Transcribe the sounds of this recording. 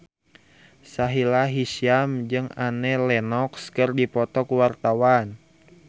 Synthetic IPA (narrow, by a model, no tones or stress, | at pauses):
saɦilaɦisiamd͡ʒɨŋanɛlɛnɔkskərdipɔt̪ɔkuwart̪awan